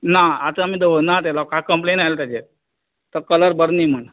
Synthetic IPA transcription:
naat̪əamiːd̪eʋənat̪̬elakakəmplenajlt̪at͡ɕe | t̪əɾkələɾbəɾnim̤əɳ

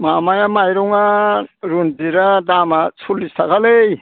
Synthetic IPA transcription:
mamajamajɾɔŋaɾuntiɾadamasʰulːistʰakalej

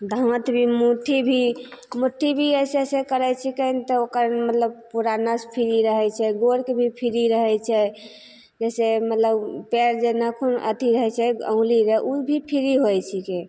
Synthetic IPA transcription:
d̪ʱəŋət̪bʱimuʈʰibʱimuʈʰːibʱiəsesekəɾɛt͡ʃʰikənt̪ɔokəɾmət̪ləb̚puɾanaspʰiɾiɾəɦɛt͡ʃʰɛɡoɾkebʱipʰiɾiɾəɦɛt͡ʃʰɛ | d͡ʒɛsemət̪ləbpeɾd͡ʒenəkʰonə̰t̪iɾəɦɛt͡ʃʰɛə̰̃ŋliɾəʔubʱipʰiɾiɦojt͡ʃʰike

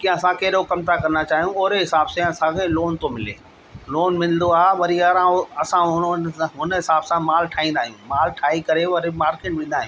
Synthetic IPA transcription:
kĩɐsãkɐɦɪɗokɐmt̪ʰakɐɾnat͡ɕaːɦijũoːɾeɦɪsaːbsãɐsãkʰẽloːnt̪omɪlḛː | loːnmɪ̃l̆d̪oaːɦeʋɐɾiɐɾãɐsãʊɦʊnɦɪsaːbsãmaːlʈʰaːĩːnd̪aːɦijũmaːlʈʰaːikɐɾeʋɐɾimaːɾkeːʈʋĩːn̆d̪aːɦij̃ũ

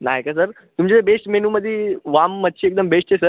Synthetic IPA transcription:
na̰ɦekasəɾ | t̪umt͡ɕiebesʈmenuməd̪ʱːjiʋamːət̪̚ːɕʰiːek̚d̪əmbeʂt͡ɕesəɾ

